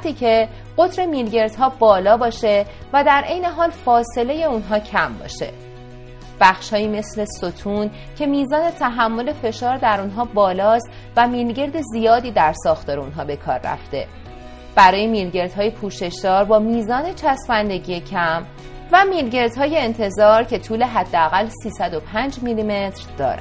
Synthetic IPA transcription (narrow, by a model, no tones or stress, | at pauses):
t̪ʰiːcʰe̞ | ɢ̥o̞t̪ʰɾe̞miːlɟe̞ɾd̪̥ɦɒːbɒːlɒːbɒːʃe̞ | væd̪æɾʔe̞jne̞ɦɒːlfɒːse̞le̞je̞unɦɒːcʰæmbɒ̰ːʃe̞̰ | b̥æxʃhɒːjiːme̞sle̞sot̪ʰuːn | cʰe̞miːzɒːne̞t̪ʰæɦæmːo̞le̞fe̞ʃɒːɾd̪æɾunɦɒːbɒːlɒːst̪ | væmiːlɟe̞ɾd̪e̞zijɒːd̪iːd̪æɾsɒːxt̪ʰɒːɾeunɦɒːbe̞kʰɒ̰ːɾːæ̰ft̪e̞̰ | b̥æɾɒːjemiːlɟe̞ɾd̪̥hɒːje̞pʰuːʃe̞ʃd̪̥ɒːɾbɒːmiːzɒːnet͡ʃʰæsmænd̪e̞ɟijecʰæm | væmiːlɟe̞ɾd̪hɒːje̞ːnt̪ʰe̞zɒːɾcʰe̞t̪ʰuːle̞ɦæd̪ːeæɣælsiːsæd̪o̞pʰænd͡ʒmilime̞t̪ɾd̪̥ɒ̰ːɾæ̰